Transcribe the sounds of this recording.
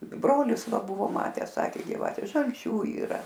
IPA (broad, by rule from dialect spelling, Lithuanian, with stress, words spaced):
ˈbroːlʲɪs ˈʋɐ ˈbʊʋoː ˈmɑːtʲæːs ˈsɑːkʲeː ɡʲɪˈʋɑːtʲɛ ʒɐlʲˈt͡ʃʲuː iːˈrɐ